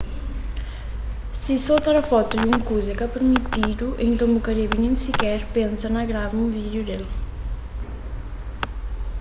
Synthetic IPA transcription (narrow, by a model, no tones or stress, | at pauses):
sisot̪aɾafɔt̪ud̪uŋkuzekapeɾmit̪id̪uʔent̪õmukaɾiβinẽŋsikɛɾpensɐnɐɣɾavũvid̪jud̪el